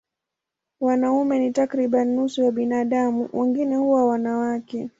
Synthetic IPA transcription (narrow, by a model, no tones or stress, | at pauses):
wanaumɛnitakɾiɓanːusujaɓinaːɗamuwʔɛŋɡinɛhuwawanawakɛ